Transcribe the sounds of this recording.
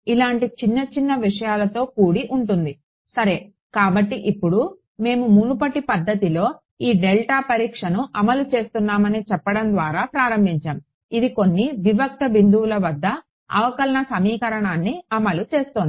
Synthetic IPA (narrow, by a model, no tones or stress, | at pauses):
ilaːɳʈit͡ʃinːɐt͡ʃinːɐʋiʂɐjaːlɐt̪o̞ːkuːɽiʔuɳʈund̪i | sɐɾe̞ː | kaːbɐʈːiʔipːuɽu | me̞ːmumunupɐʈipɐd̪ːɐt̪ilo̞ː | iːɖelʈaːpɐɾiːkʂɐnuʔɐmɐlut͡ʃe̞ːst̪unːaːmɐnit͡ʃɛpːɐɽɐnd̪ʋaːɾaːpɾaːɾɐmbʱiɲt͡ʃaːm | id̪iko̞nːiʋiʋɐk̚t̪ɐbind̪uulɐʋɐd̪ːɐ | ɐ̰ʋɐkɐlɐɳɐsɐmiːkɐɾɐɳaːnːiɐmɐlut͡ʃe̞ːst̪oːn